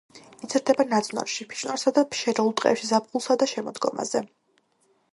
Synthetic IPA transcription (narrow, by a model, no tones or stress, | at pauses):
it̪sʰiɾd̪ɛbanad̪zʰʼna̰ɾʃipʰi̥ʃnaɾsad̪apʰʃɛɾɛulˠt̪ʼqʼɛ̰pʃizab̚ɡulˠsad̪aʃɛmɔd̪ɡɔ̰ma̰zɛ